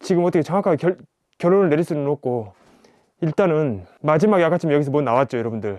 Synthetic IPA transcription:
t͡ɕiɡɯmʌt͈ʌkʰet͡ɕʌŋwakʰaɡeʌ | kjʌɾonɯɭne̞ɾiɭs͈unɯnok̚k͈ʰo | iɭt͈anɯnmad͡ʑimaɡjak͈ʰat͡ɕʰimjjʌɡis̬ʰʌmwonnawat̚t͡ɕ͈ojʌɾʌbundɯɭ

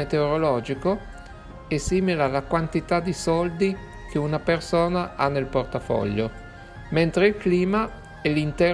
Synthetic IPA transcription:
et̪eoɾolɔːd͡ʒiko | esiːmilaːlakwant̪it̪ad̪isɔld̪i | kʰeunapersoːnaʔanːelport̪afɔ̰ʎːo | ment̪ɾeilkliːma | ɛlint̪ɛː

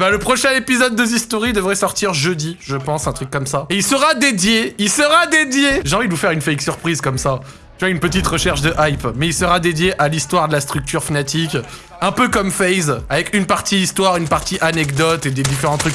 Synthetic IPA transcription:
bãləpχɔʃɛ̃epizɔd̪ːəzist̪oʁid̪əvʁɛsɔʁt̪iʁʒød̪iʒəpɑ̃sɛ̃t̪χykːɔmsaeilsəʁad̪ed̪jeilsəʁad̪ed̪jeʒeɑ̃vid̪əvufɛʁynfɛjksyʁpχizkɔmsa | t̪yvwaynpət̪̬it̪ʁəʃɛʁʃd̪əʔajpmɛilsəʁad̪ed̪jeʔalist̪waʁd̪əlast̪χyk̚t̪ʰyʁfanat̪ik | ɛ̃pøkɔmfɛjzavɛkynpaʁt̪iist̪waʁynpaʁt̪iʔanɛkd̪ɔt̪ed̪ed̪ifeʁɑ̃t̪χyk

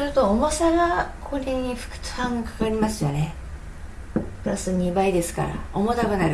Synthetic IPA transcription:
ɾɯt̪o̞ːmo̞saɡakʰoɾʲeɲ̟iɸɯ̥kɯ̟̥t͡sɨ̥hãŋɡakḁkaɾʲimasɨjone̞ | pɯ̟ɾasɨɲ̟ibaid̪e̞sɨ̥ka̰ɾa̰omot̪akɯnaɾɯ

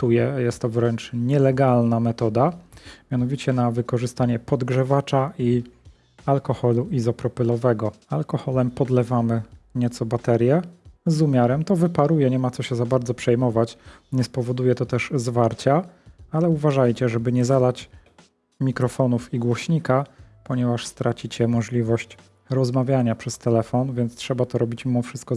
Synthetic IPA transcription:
t̪ujɛjɛst̪ːɔvɾɛnt͡ʂɲɛlɛɡalnamɛt̪ɔd̪amʲjan̪ɔvʲit͡ɕɛnavɘkɔʐɘst̪aɲɛpɔd̪ɡʐɛvat͡ʂai | alkɔxɔluizɔpɾɔpɘlɔvɛɡɔalkɔxɔlɛmpɔd̪lɛvamɘɲɛt̪sɔbat̪ɛɾʲjɛzumʲjaɾɛmt̪ɔvɘpaɾujɛɲɛmat̪sɔɕɛzabaɾd̪zɔpʂɛjmɔvat͡ɕɲɛspɔvɔd̪ujɛt̪ɔt̪ɛʐzvaɾt͡ɕaalɛuvaʐajt͡ɕɛʐɛbɘɲɛzad̪at͡ɕ | mʲikɾɔfɔnufiɡwɔɕɲikapɔɲɛvaʂst̪ɾat͡ɕit͡ɕɛmɔʐlʲivɔɕt͡ɕ | ɾɔzmavʲjaɲapʂɛst̪ɛlɛfɔnvʲjɛnt̪stʂɛbat̪ɔɾɔbʲit͡ɕmʲimɔfʂɘst̪̚kɔ

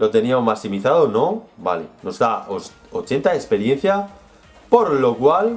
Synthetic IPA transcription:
lo̞t̪e̞niamomasimiθaðonoba̰lḛno̞zðao | ot͡ʃe̞nt̪aespe̞ɾje̞n̟θja | po̞ɾlo̞kwal

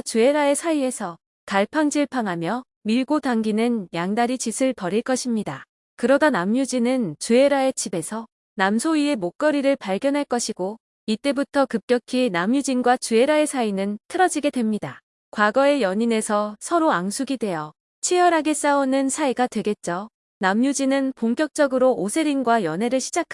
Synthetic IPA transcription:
t͡ɕueɾae̞sʰaie̞sʰʌ | kaɭpʰaŋd͡ʑiɭpʰaŋɦamjʌ | miɭɡotaŋɡinɯnjaŋdaɾit͡ɕisʰɯɭpʌɾiɭk͈ʌɕʰimɲida | kɯɾʌdanamjud͡ʑinɯnt͡ɕue̞ɾae̞t͡ɕibe̞sʰʌ | namsʰoie̞mok͈ʌɾiɾɯɭpaɭɡjʌnɦaɭk͈ʌɕʰiɡo | it͈e̞butʰʌkɯp̚k͈jʌkʰinamjud͡ʑinɡwat͡ɕue̞ɾae̞sʰainɯntʰɯɾʌd͡ʑiɡe̞dwe̞mɲida | kwaɡʌe̞jʌɲine̞sʰʌsʰʌɾoaŋsʰuɡidwe̞jʌ | t͡ɕʰijʌɾɦaɡe̞s͈aunɯnsʰaiɡadwe̞ɡe̞t̚t͡ɕ͈o | namɲud͡ʑinɯnpoŋk͈jʌk̚t͡ɕ͈ʌɡɯɾoosʰe̞ɾinɡwajʌnɦe̞ɾɯɭɕʰid͡ʑakʰ

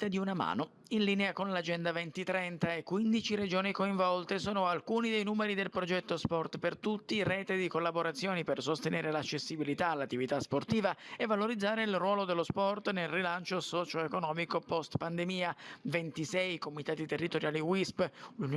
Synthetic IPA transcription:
t̪ad̪iunama̰ːno | inliːneakonlad͡ʒɛnd̪avɛnt̪it̪ɾɛnt̪aekːwind̪it͡ʃiɾed͡ʒoːnikoiɱvɔlt̪esoːnoalkuːnid̪ejnuːmeɾid̪elpɾod͡ʒɛt̪ːospɔrt̪pert̪ut̪ːirɛːt̪ed̪ikolːaboɾat̪sːjoːnipersost̪eneːɾelat͡ʃːesːibilit̪aːlːat̪ːivit̪asport̪iːvaevːaloɾid̪zːaːɾeilrwɔːlod̪elːospɔrt̪nelrilant͡ʃosɔt͡ʃoekonɔːmikopɔst̪pand̪emiːavent̪isɛjkomit̪aːt̪it̪erːit̪oɾjaːliwisplun

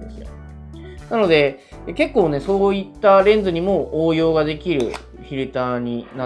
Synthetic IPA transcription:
esɨjo̰ | nano̞d̪e̞ | ke̞kːo̞ːne̞so̞ːit̪ːaɾẽ̞nd͡zzɨɲ̟imo̞ʔoːjo̞ːɡad̪e̞kʲiɾɯ̟̰ | çʲiɾɯ̟t̪aːɲ̟ina

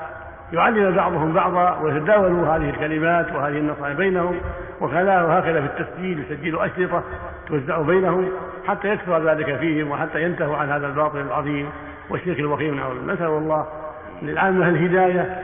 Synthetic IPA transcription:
jʊʕalːɪmbɑʕðˤʊhʊmbɑʕðˤɑwɪjat̪ad̪aːwaluɦaːðɪhɪlkalɪmaːt̪wɪhaːðɪhɪnːɑsˤɑːjbeːnahʊmwɪxalaːhhaːkaðafit̪ːasd͡ʒiːlsad͡ʒːɪluʔaʃlɨt̪ˤɑ | t̪wazːaʕubajnahʊm | ħat̪ːajakθʊɾˤðaːlɪkafiːhɪmwɪħat̪ːajant̪ahiʕanhaːðalbɑːt̪ˤɨlalʕɑðˤiːm | wɪʃːɪːxalwaxiːmʕa̰wlanʔasʔalwɑlˤːɑːh | nɪlʕaːmːahalɦɪd̪aːja

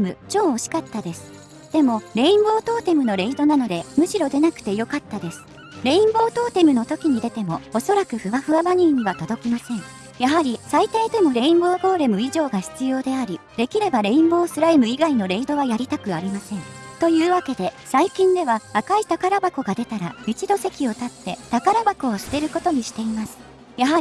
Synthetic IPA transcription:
mɯ̟t͡ɕo̞ːɕi̥kat̪ːad̪e̞sɨ̥ | d̪̥e̞mo̞ɾe̞ĩmbo̞ːt̪o̞ːt̪e̞mɯ̟no̞ɾe̞id̪o̞nano̞d̪e̞mɯ̟ɕiɾo̞d̪e̞nakɯ̥t̪e̞jo̞kat̪ːad̪e̞sɨ̥ | ɾe̞ĩmbo̞ːt̪o̞ːt̪e̞mɯ̟no̞t̪o̞kʲiɲ̟id̪e̞t̪e̞mo̞oso̞ɾakɯ̟ɸɯ̟βaɸɯ̟abaɲ̟iːɲ̟ːiβat̪o̞d̪o̞kʲimasẽ̞ɴ̃ | jaɦaɾʲisait̪aid̪e̞mo̞ɾe̞ĩmbo̞ːɡo̞ːɾe̞mɯ̟iʑo̞ːɡaçi̥t͡sɨjo̞ːd̪e̞aɾʲid̪e̞kʲiɾe̞baɾe̞ĩmbo̞ːsɨɾaimɯ̟iɡaino̞ɾe̞id̪o̞βajaɾʲit̪akɯ̟aɾʲimasẽ̞ŋt̪o̞jɯ̟ːβake̞d̪e̞saikʲĩnd̪e̞βaakait̪akaɾabako̞ɡad̪e̞t̪aɾa̰it͡ɕid̪o̞se̞kʲio̞t̪at̪ːe̞t̪akaɾabako̞ːsɨ̥t̪e̞ɾɯ̟ko̞t̪o̞ɲ̟iɕi̥t̪e̞imasɨ̥ | jaɦaɾʲi

